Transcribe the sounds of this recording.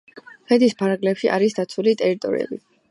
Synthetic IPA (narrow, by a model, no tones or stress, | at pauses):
χɛd̪ispʰaɾaɡlɛpʃiʔa̰ɾisd̪at̪sʰulit̪ʼɛɾit̪ʼɔ̰ɾḭɛ̰bi